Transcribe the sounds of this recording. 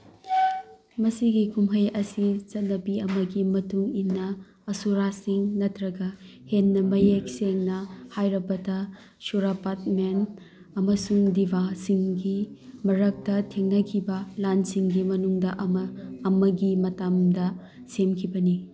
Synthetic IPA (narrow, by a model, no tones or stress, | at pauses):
mɐsiɡikumɦɐjɐsit͡ʃɐt̚nɐpiɐmɐɡimɐtuŋinːɐ | ɐsuɾasiŋnɐtɾɐɡɐ | henːɐmɐjek̚seŋnɐhajɾɐbɐtɐ | suɾapat̚men | ɐmɐsuŋdibʱasiŋɡimɐɾɐk̚tɐtʰeŋnɐkʰibɐlansiŋɡimɐnuŋdɐʔɐmɐːmɐɡimɐtamdɐ | semkʰibɐni